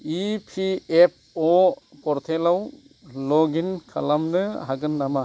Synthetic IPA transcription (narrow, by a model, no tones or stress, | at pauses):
ipʰiep̚ɔpɔɾt̪ʰelaw | lɔɡinkʰa̰lamnɯɦaɡɯnːama